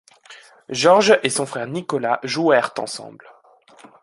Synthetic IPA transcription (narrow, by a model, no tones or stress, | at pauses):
ʒɔʁʒesɔ̃fχɛʁnikɔlaʒuɛʁt̪ɑ̰̃sɑ̰̃bl